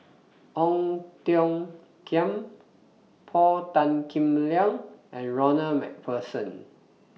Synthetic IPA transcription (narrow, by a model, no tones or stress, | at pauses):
ʔɔ̃ŋtiɔ̃ŋ | kʰiə̃m | pʰɔltãnkʰĩmliãŋɛ̃nɹɔnəmɛ̰k̚pʰəsə̃n